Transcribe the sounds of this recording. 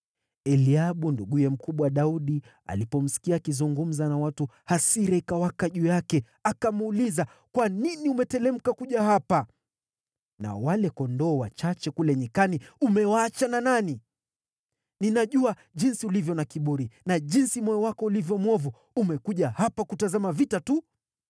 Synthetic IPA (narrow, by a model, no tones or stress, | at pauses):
ɛliaɓunduɡujɛm̩kuɓwaɗauɗi | a̰lipɔm̩si̥kiaːkizuŋɡum̩zanawatuhasiɾɛikawakaʄujakɛ | akamuuliza | kwaniniumɛtɛlɛm̩kakuʄahapa | na̰walɛkɔndɔːwat͡ʃat͡ʃɛkulɛɲikaniumɛwaːt͡ʃananani | ninaʄua | ʄinsiulivjɔnakiɓuɾinaʄinsimɔjɔwakɔulivjɔmwɔvu | umɛkuʄahapakutazamavitatu